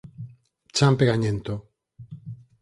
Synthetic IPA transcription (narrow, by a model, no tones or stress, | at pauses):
t͡ʃampeɣaɲẽnt̪o